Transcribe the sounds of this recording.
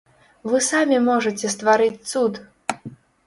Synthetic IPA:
vɨsamʲimɔʐɐt͡sʲɛst̪vaɾɨt͡sʲt̪sut̪

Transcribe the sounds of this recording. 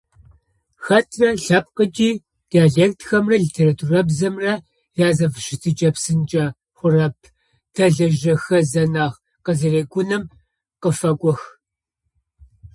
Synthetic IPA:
xɐtʰrɐɬɐp̚qət͡ʃʼiː | d̥iaːɮeːktʰxɐmrɐɮitʰeːratʰurɐbzɐmrɐ | jaːzɐvʃɪtʰit͡ʃʼɐpsɨnt͡ʃʼɐ | χʷʊrɐp̚ʰ | tʰɐɮɐʒɐxɐzɐnaːʁ | qəzɐreːɡʷʊnɐm | qəfɐkʷʼɔx

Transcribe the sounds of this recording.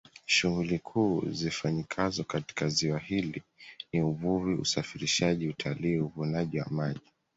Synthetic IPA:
ʃuɣulikʰuːzifaɲikʰazɔkati̥kaziwahiliniuvuviṵsafiɾiʃaʄiutʰaliːuvunaʄiwa̰maʄi

